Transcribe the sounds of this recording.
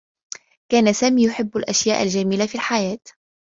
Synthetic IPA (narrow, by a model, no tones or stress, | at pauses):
kaːnasaːmiːjʊħɪbːalʔaʃjaːʔald͡ʒaːmiːlafiːlħajaːt̪